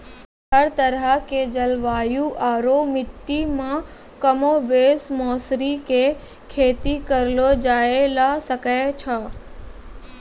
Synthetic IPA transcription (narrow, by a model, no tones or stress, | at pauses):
taɾt̪əɾaked͡ʒəlʋaːjũʔaːɾomɪʈːimã | kəmoʋesmɔsɾike | kʰeːt̪ikəɾlod͡ʒaːelasəkajt͡ʃʰa